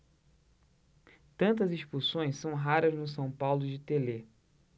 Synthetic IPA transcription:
t̪ɐ̃nt̪ɐziʃpuɾsõj̃ssɐ̃w̃ɦaɾɐznʊs̬ɐ̃w̃pawlʊd͡ʒɪt̪ele

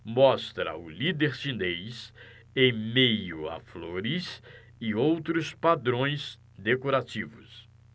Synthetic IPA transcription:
mɔst̪ɾɐ̰ʊlid̪eɾsĩnejs | ẽj̃mejʊa̰floɾɪs | ɪowt̪ɾʊspad̪ɾõj̃z | d̪ekoɾat͡ʃivʊs

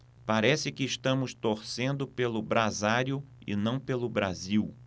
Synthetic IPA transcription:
paɾɛsɪkɪːʃt̪ɐ̃mʊst̪oɾsẽnd̪ʊpelʊbɾazaɾjʊɪ̰nɐ̃w̃pelʊbɾaziw

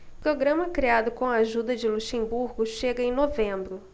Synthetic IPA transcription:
ʊpɾoɡɾɐ̃mɐkɾiad̪ʊkõw̃ɐaʒud̪ɐd͡ʒɪluʃẽmbuɾɡʊʃeɡɐẽj̃novẽbɾʊ

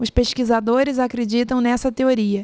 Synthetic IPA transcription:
ʊspeʃkizad̪oɾɪzakɾed͡ʒit̪ɐ̃w̃nɛsɐt̪eoɾiɐ

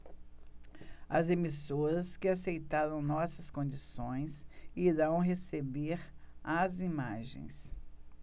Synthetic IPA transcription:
ɐzemisoɾɐskɪasejt̪aɾɐ̃w̃nɔsɐskõd͡ʒisõj̃siɾɐ̃w̃ɦesebeɾazimaʒḛ̃j̃s

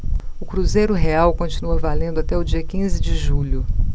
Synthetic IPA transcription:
ʊkɾuzejɾʊɦeawkõt͡ʃinuɐvalẽnd̪ʊat̪ɛʊd͡ʒiɐkĩzɪd͡ʒɪʒuʎʊ

